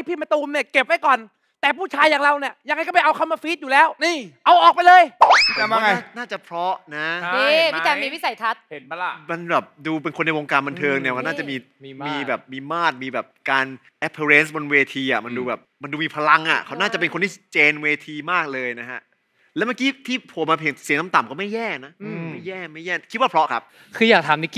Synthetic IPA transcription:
pʰiː˥˩ma˧t̪uː˧ni˥˩ɐke˨˩p̚ːa˥˩jkɔː˨˩n | t̪ɛː˨˩pʰuː˥˩t͡ɕʰaː˧˥jːa˧ŋɾa˧˩wni˥˩ɐja˧ŋa˧jkɔ˥˩ma˨jʔa˧wkʰa˥˩maː˧fiː˦˥t̪̚juː˨˩lɛː˦˥wn˥˩ʔa˧wʔɔː˨˩k̚pa˧jlɤː˧ja˧˩a˧a˧˥naː˥˩t͡ɕa˨˩pʰɾɔ˦˥ʔna˦˥i˧i˥˩aː˧miː˧wi˦˥˩sa˨˩˦jt̪ʰa˦˥t̪̚e˨˩˦n˧ma˧nbɛː˨˩p̚duː˧pe˧nkʰo˧nːa˧jwoː˧ŋkaː˧nba˧nt̪ʰɤː˧ŋni˥˩ka˦˥wnaː˥t͡ɕa˨˩miː˧ | miː˧˩bɛː˨˩p̚miː˧maː˥˩t̪̚miː˧bɛː˨˩p̚kaː˧n | ʔɛ˦˥pʰːe˧ɾe˦˥nsbo˧nweː˧t̪ʰiː˧ʔa̰˨˩ma˧nduː˧bɛː˨˩p̚ma˧nduː˧miː˧pʰa˧la˧ŋʔa˨˩kʰa˦˥wnaː˥˩t͡ɕa˨˩pe˧nkʰo˧nt̪ʰiː˥˩t͡ɕeː˧nweː˧t̪ʰiː˧maː˥˩k̚lɤː˧jna˦˥kʰa˦˥ | lɛː˦˥ma˥˩kiː˦˥t̪ʰiː˥˩pʰo˨˩˦ma˧pʰeː˨˩˦si˨˩˦ŋna˦˥mt̪a˨˩mkɔː˥˩ma˥˩jɛː˥˩na˦˥ma˥˩jːɛː˥˩ma˥˩jɛː˥˩kʰi˦˥waː˥pʰɾɔ˦˥kʰa˦˥p̚ | kʰɯː˧jaː˨˩k̚t̪ʰaː˩˦mni˦˥ki˧

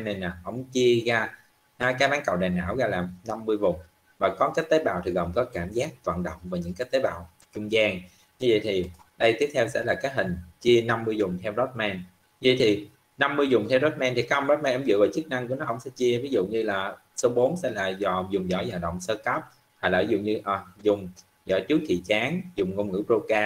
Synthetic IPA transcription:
nːe˨˩naː˨˩hə̰˧˥wŋ͡mt͡ɕi˧əɣaː˧ | aː˨˦kaː˨˦jɓaː˨˦nkə̰˧˨wɗaː˨˩nʔa̰ː˧˥wɣaː˧laː˨˩mna˧mːɨ˧əjvʊ˨˩ŋ͡m | vaː˨˩kɔ˨˦kaː˦˥k̚t̪eː˨˦jɓa̰ː˧˨t̪ʰi˨˩ɣə˨˩mkɔ˨˦kaː˧˩mzaː˦˥k̚t̪wa̰ː˧˨nɗə̰˧˨wŋ͡mvaː˨˩ɲɨ̰˧˥ŋkaː˨˦j̚t̪eː˨˦jɓa̰ː˧˨w | t͡ɕʊ˧ŋ͡mzaː˧ŋ | ɲɨ˧və̰˧˨jt̪ʰi˨˩ | ɗə˧jt̪i˦˥əp̚t̪ʰɛ˧wsɛ̰˧˥laː˨˩kaː˨˦jɦï˨˩ŋ̟t͡ɕi˧əna˧mːɨ˧əjzʊ˨˩ŋ͡mt̪ʰɛ˧wzɔ˦˥t̚mɛ˧n | ɲɨ˧və̰˧˨jt̪ʰi˨˩ | na˧mːɨ˧əjzʊ˨˩ŋ͡mt̪ʰɛ˧wzɔ˦˥t̚mɛː˧nt̪i˨˩ka˨˦˥ʔə˧ŋ͡mɗɔː˦˥t̚mɛ˧nʔŋ͡mzɨ̰˧˨vaː˨˩t͡ɕɨ˦˥k̚na˧ŋku˧˩ənɔ˨˦ʔə̰˧˥wŋ͡msɛ̰˧˥t͡ɕi˧əvi˨˦zṵ˧˨ɲɨ˧laː˨˩ | so˨˦wɓo˨˦nsɛ˧˩jlaː˨˩zɔ˨˩zʊ˨˩ŋ͡mzɔ̰˧˩˦jzaː˨˩wɗə̰˧˨wŋ͡msəː˧kə˦˥p̚ | haː˧˩jlaː˨˩zʊ̰˧˨ɲɨ˧ʔə˨˩zʊ˨˩ŋ͡m | zɔ̰˧˩˦jt͡ɕɨ˦˥ək̚kːḭ˧˨t͡ɕaː˨˦ŋzʊ˨˩ŋ͡mŋo˧ŋ͡mŋɨ̰˧˥pɾo˧kaː˧

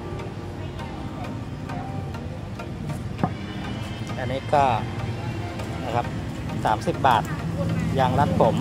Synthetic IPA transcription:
ʔa˧˩nːiː˦˥kɔː˥˩ | na˦˥˩kʰa˦˥p̚ | saː˩˦msi˨˩p̚baː˨˩t̪̚jaː˧ŋɾa˦˥t̪̚pʰo˩˦m

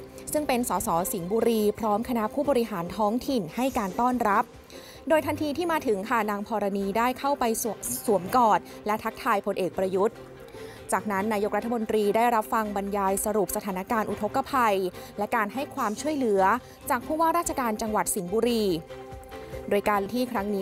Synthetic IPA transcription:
sɯ˥˩ŋpe˧nsɔː˩˦sɔː˩˦si˩˦ŋbuː˧ɾiː˧pʰɾɔː˦˥mkʰa˧na˦˥ʔpʰuː˥˩bɔː˧ɾi˦˥ɦaː˩˦nt̪ʰɔː˦˥ŋt̪ʰi˨˩nha˥˩jkaː˧nt̪ɔː˥˩nɾa˦˥p̚ | doː˧jt̪ʰa˧nt̪ʰiː˧t̪ʰiː˥˩maː˧t̪ʰɯ˨˩˦ŋkʰa˥˩naː˧ŋpʰɔː˧ɾa˧niː˧daː˥˩jkʰa˥˩wpa˧jsu˩˦əmkɔː˨˩t̪̚ | lɛ˦˥t̪ʰa˦˥k̚t̪ʰaː˧jpʰo˧nʔeː˨˩k̚pɾa˧ju˦˥t̪̚ | t͡ɕaː˨˩k̚na˦˥nːaː˧jo˦˥k̚ɾa˦t̪ʰːa˧mo˧nt̪ɾiː˧daː˥˩jɾa˦˥p̚fa˧ŋba˧njaː˧jsa˧ɾu˨˩p̚sa˧t̪ʰaː˩˦na˦˥kaː˧nʔu˨˩t̪ʰo˦˥kːa˧pʰa˧jlɛ˦˥kaː˧nha˥˩jkʰwaː˧mt͡ɕʰu˥˩əjlɯ˩˦ɐ | t͡ɕaː˨˩k̚pʰuː˥˩waː˥˩ɾaː˥t̪̚t͡ɕʰa˧kaː˧nt͡ɕa˧ŋwa˨˩t̪̚si˩˦ŋbuː˧ɾiː˧ | doː˧jkaː˧nt̪ʰiː˥˩kʰɾa˦˥ŋniː˦

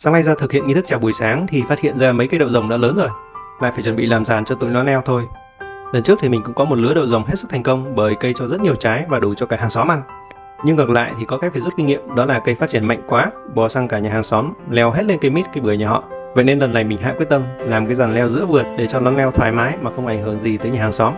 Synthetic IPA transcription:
saː˨˦ŋna˧jzaː˧t̪ʰɨ˨˩k̚hḭ˧əni˧t̪ʰɨ˦˥kt͡ɕaː˧˩ɓu˨˩əjsaː˨˦ŋt̪ʰi˨˩faː˦˥t̚hḭ˧˨ənzaː˧mə˨˦kaː˨˦jɗo̰˧˨zə˨˩wŋ͡mɗa̰ː˧˥ləː˨˦no˨˩jla̰ː˧˨jfaː˧˩jt͡ɕə˧˩nɓḭ˧˨laː˨˩mzaː˨˩nt͡ɕɔ˧t̪ṵ˧˨nlɔ˨˦nlɛ˧wt̪ʰo˧j | lə˨˩nt͡ɕɨ˦˥ək̚t̪ʰi˨mï˨˩ŋ̟kʊ̰˧˥ŋ͡mkɔ˨˦mo˨˩t̚lɨ˨˦əɗo̰˧˨wzə˨˩wŋ͡mɦe˦˥t̚sɨ˦˥k̚t̪ʰŋ̟kə˧wŋ͡mɓəː˧˩jkə˧jt͡ɕɔ˧zə˦˥t̚ɲi˨˩əwt͡ɕaː˨˦jvaː˨˩ɗu˨˧˩t͡ɕɔ˧kaː˧˩haː˨˩ŋsɔ˨˦mʔa˧n | ɲɨ˧ŋə˨˩k̚la̰ː˧˨jt̪ʰi˨˩kɔ˨˦kaː˨˦jfaː˧˩jzu˦˥t̚ki˧ŋḭ˧˨əmɗɔ˨˦laː˨˩kə˧jfaː˦˥t̚t͡ɕi˧˩ənma̰˧˨jŋ̟kwaː˨˦ɓɔ˨˩sa˧ŋkaː˧˩ɲaː˨˩aː˨˩ŋsɔ˨˦mlɛ˧wɦe˦˥t̚le˧nkə˧jmi˦˥t̚kaː˨˦jɓɨ˧˩əjɲaː˨˩ɦɔ̰˧˨vḛ˧˨ne˧nlə˨˩nːa˨˩jmi̟˨˩ɦa̰ː˧˨kwi˦˥ət̪ə˧mlaː˨˩mkaː˨˦jzaː˨˩nlɛ˧wzɨ̰˧˥vɨ˨˩ət̚ɗe˧˩t͡ɕɔ˧nɔ˨˦nlɛ˧wt̪ʰwaː˨˩jmaː˨˦jmaː˨˩xə˧wŋ͡mʔa˧˩jŋ̟hɨ˧˩əŋzi˨˩t̪əː˨˦jɲaː˨haː˨˩ŋsɔ˨˦m

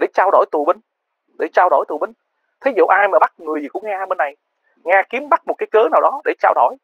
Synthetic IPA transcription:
ɗe˧˩t͡ɕaː˧wɗo̰˧˩jt̪ṵ˨˩ɓï˧ŋ̟ | ɗe˧˩t͡ɕaː˧wɗo̰˧˩jt̪u˨˩ɓï˧ŋ̟ | t̪ʰi˨˦jzṵ˧˨ʔaː˧jmaː˨˩ɓa˦˥t̚ŋɨ˨˩əzi˨˩kʊ̰˧˥˦ŋ͡mŋaː˧ɓe˧nːa˨˩j | ŋaː˧ki˨˦əmɓa˦˥t̚mo˨˩kaː˨˦jkəː˨˦naː˨˩wɗɔ˨˦ɗe˧˩t͡ɕaː˧wɗo̰˧˩j

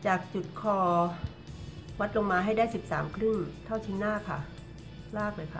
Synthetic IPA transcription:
t͡ɕaː˨˩k̚t͡ɕu˨˩t̪̚kʰɔː˧ | wa˦˥t̪̚lo˧ŋmaː˧ɦa˥˩jdaː˥˩jsi˨˩p̚saː˩˦mkʰɾɯ˥˩ŋt̪ʰa˥˩wt͡ɕʰi˦˥naː˥˩kʰa˥˩ | laː˥˩k̚lɤː˧jkʰa˥˩

